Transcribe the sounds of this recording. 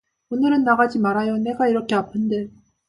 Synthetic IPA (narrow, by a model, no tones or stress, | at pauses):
onɯɾɯnːaɣad͡ʑimaɾajone̞ɡaiɾʌkʰeapʰɯnde̞